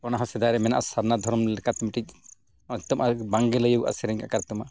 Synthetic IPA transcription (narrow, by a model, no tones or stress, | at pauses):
kɔnaɦãsɛd̪ajɾɛmɛnaʔasaɾnad̪ʱɔɾɔmlɛkat̪miʈic̚ | t̪ɔmʔabaŋɡɛləjəwʔa̰sɛɾɛŋkakaɾt̪ɔma